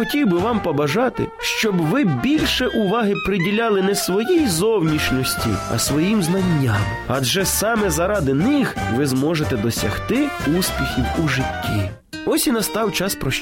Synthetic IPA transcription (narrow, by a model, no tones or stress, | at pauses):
ɔtʲiwbɪʋɑmpɔbɐʒɑt̪ɪ̰ʃt͡ʃɔbʋɪbʲilʲʃɛʔʊʋɑɦɪpɾɪdʲilʲɑlˠɪnɛsʋɔjijzɔwnʲiʃnʲɔsʲtʲḭɐ̰sʋɔjimznɐnʲːam | ɐdʒɛsɑmɛzɐɾɑd̪ɪnɪxʋɪzmɔʒet̪ɛd̪ɔsʲɐ̰xt̪ɪuspʲixʲiwuʒɪtʲːi | ɔsʲinɐst̪ɑwt͡ʃɑspɾɔʃ